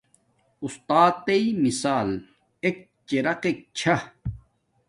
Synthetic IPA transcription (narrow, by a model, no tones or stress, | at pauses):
ust̪aːt̪ːeimisaːl | ek̚ | t͡ɕeɾɐqek̚t͡ɕʰa